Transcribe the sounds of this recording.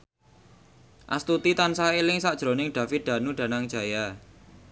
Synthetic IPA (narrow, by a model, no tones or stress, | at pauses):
ʔa̰st̪ut̪it̪ansaelɪŋsaʔd̥ʒ̥ɾo̤nɪŋɖ̥ä̤fɪt̪̚d̪̥ä̤nuɖ̥ä̤naŋ̥d͡ʒ̥a̤ja